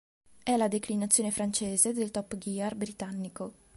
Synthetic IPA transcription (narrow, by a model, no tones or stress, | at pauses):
ɛlad̪eklinat̪sːjoːnefɾant͡ʃeːzed̪elt̪ɔpːɡiarbɾit̪anːiko